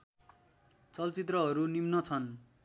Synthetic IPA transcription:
t͡sʌlt͡sit̪rʌɦʌɾunimnʌt͡sʰʌn

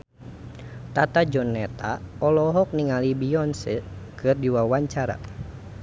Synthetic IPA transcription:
t̪at̪ad͡ʒɔnːɛt̪aɔlɔɦɔk̚niŋalibiɔnsəkɨrdiwawaɲt͡ʃaɾa̰

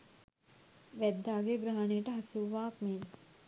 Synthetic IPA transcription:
ʋæd̪ːaːɡeɡɾaɦanejəʈəɦasuʋaːkmeːn

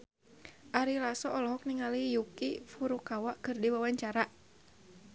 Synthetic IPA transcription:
ʔaɾilasɔʔɔlɔɦɔk̚niŋalijukifuɾukawaʔkɨrdiwawaɲt͡ʃaɾa

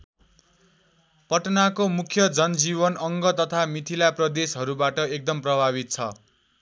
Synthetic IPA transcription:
pʌʈnakomukʰjʌd͡zʌnd͡zibʌnʌŋɡʌt̪ʌt̪ʰamit̪ʰilaprʌd̪esɦʌɾubaʈʌek̚d̪ʌmprʌbʱaβit̪̚t͡sʰʌ̰

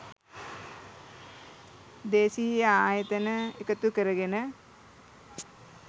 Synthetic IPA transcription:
d̪eːsijjəaːjət̪ənəekət̪ukəɾəɡenə

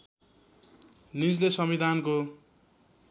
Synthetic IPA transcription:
nid͡zlesʌmid̪ʱanko

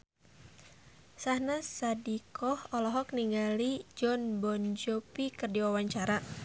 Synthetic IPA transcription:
sahnasadikʰɔhɔlɔɦɔk̚niŋɡalid͡ʒɔnbɔnd͡ʒɔpikərdiwawaɲt͡ʃaɾa

